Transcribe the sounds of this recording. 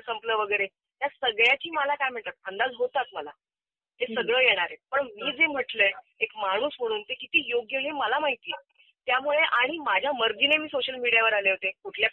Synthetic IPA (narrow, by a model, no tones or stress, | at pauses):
səmpləːʋəɡəjɾe | t̪jasəɡɭjat͡ɕiːməlakajm̤əɳt̪at̪̚ənd̪ad͡zɦot̪at̪̚məla | t̪esəɡɭəːjeɽ̃aɾepəɳmiːd͡zem̤əʈləj | ekmaɽ̃uːsm̤əɽ̃uːnt̪ekit̪iːjoɡjəliməlamaɦit̪iː | t̪jamuɭeʔaɽ̃imad͡ʑʱjaməɾd͡ʑinemiːsoɕəlmiɽijaʋəɾaleɦot̪ekuʈʰlja